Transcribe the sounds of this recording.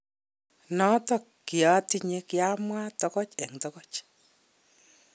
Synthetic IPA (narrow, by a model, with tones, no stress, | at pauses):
nɔ˦tɔ˦˨kːi˨a˨ti˦ɲe˦kja˦mwa˦tɔ˦kɔ˦t͡ʃɛ˨ŋtɔ˦kɔ˦t͡ʃ